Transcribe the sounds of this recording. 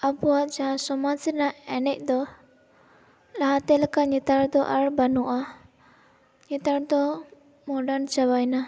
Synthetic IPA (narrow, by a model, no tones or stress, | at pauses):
apuwad͡ʒaãsɔmasiɾnaɛnɛc̚ˀd̪ɔ | laɦat̪ɛlakaɲɛt̪aɽd̪ɔʔaɽbanuʔa | ɲɛt̪aɽd̪ɔ | mɔɖant͡ʃabajna